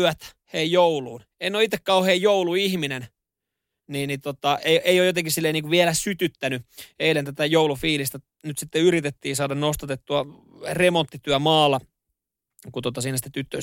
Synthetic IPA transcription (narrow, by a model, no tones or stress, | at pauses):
ʋæt̪ | heijjouluːn | einːoːit̪ːekkɑuoheːjjouluihminen | niːnnit̪ot̪ɑʔeiʔeijojot̪eŋkisilːeiniŋkuʋiɛlæsyt̪yt̪ːænyeilent̪æt̪æjoulufiːlist̪æ | nyt̪sit̪ːeyɾit̪et̪ːiːsɑːdɑnnost̪ɑt̪et̪ːuɑ | remont̪ːit̪yæmɑːlːɑ | kut̪ot̪ɑsiːnæsit̪ːet̪yt̪ːø̰